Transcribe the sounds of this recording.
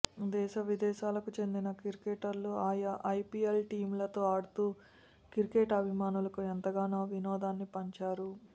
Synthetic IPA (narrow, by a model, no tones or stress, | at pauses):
d̪ɛːʃɐʋid̪ɛːʃaːlɐkut͡ʃe̞nd̪inɐkiɾkeʈɐɾluaːjɐʔɐjpiːelʈiːmlɐt̪o̞ːɐːɽut̪uː | kiɾkeʈɐbʱimaːnulɐkuent̪ɐɡaːnaːʋinɔːd̪aːnːipɐɲt͡ʃaːɾu